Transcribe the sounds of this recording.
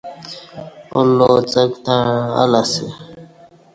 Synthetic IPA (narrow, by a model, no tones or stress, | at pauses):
olːot͡səkt̪ãa̰lase